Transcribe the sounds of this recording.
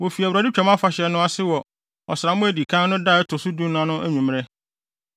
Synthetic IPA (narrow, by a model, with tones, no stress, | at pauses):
wo˨fi˨æ˨wɾa˨di˦t͡ɕᶣɛ˨mã˦fa˨ɕɛ˨nʊ̃˦a˦sɪ˦wɔ˨ | ɔ˨sɾa˨mʊ̃˦æ˨di˨kʰã˦nnʊ̃˦da˦˨ɛ˦tʰʊ˨sʊ˦du˦nã˦nʊ̃˦ʔæ˦ɲũ˨m˦ɾɛ˦